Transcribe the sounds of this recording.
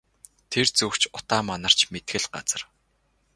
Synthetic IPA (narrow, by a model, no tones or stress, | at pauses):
t̪ʰert͡sɵkt͡ɕʊt̪aːmanə̆r̥t͡ɕmet̪xɘ̆ɮɢat͡sə̆r